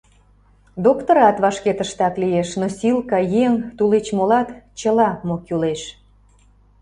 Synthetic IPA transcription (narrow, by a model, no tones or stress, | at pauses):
d̪okt̪oɾɑt̪βɑʃket̪əʃt̪ɑklijeʃnosʲilkɑjeŋt̪ulet͡ɕmolɑt̪t͡ɕəlɑmokuleʃ